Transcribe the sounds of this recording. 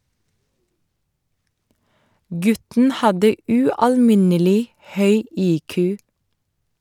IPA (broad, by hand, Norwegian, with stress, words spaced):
ˈɡʉtn̩ ˈhɑdə ʉɑlˈmɪnəlɪ ˈhœʏ ˈiːkʉː